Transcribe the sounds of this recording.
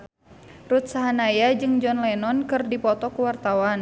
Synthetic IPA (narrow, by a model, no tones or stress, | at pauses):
rut̪̚saɦanajad͡ʒɨŋd͡ʒɔnlɛnɔnkɨrdipɔt̪ɔkuwart̪awan